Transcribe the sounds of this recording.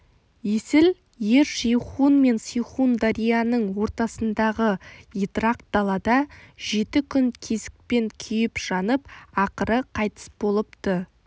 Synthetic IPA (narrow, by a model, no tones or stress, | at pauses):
jesɪl | je̞ɾʃijχunme̞nsijχund̪aɾijanəɴwo̞ɾt̪ɑsənd̪ɑʁəit̪raq̪̚d̪̥ɑlˠɑd̪ɑʒ̥e̞t̪ɪkʲʰʏnkʲʰe̞zɪ̥k̚pe̞ŋkʲʰʏjɪpʒ̥ɑnəp̚ɑqəɾəqʰɑjt̪ə̥sbo̞lˠəp̚t̪ə